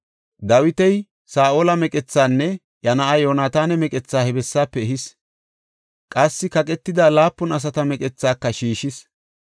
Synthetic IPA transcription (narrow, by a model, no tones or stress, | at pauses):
d̪ɐwɪt̪ɛj | saːʔoːlɐmɛkʼɛt͡sːaːnːɛ | jɐnɐʔɐjo̞ːnaːt̪aːnɛmɛkʼɛt͡sːaːhɛbɛsːaːpːɛɦɪs | kʼɐsːɪkɐkʼɛt̪ːɪd̪aːlaːpːɔnɐs̬ɐt̪ɐmɛkʼɛt͡sːaːkːɐʃiːʃɪs